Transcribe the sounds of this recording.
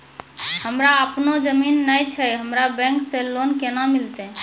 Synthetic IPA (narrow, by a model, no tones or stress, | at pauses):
həmɾaəpnod͡ʒəminːəjt͡ʃʰəɦəmɾabɛ̃ŋkselonkenamilt̪ɛ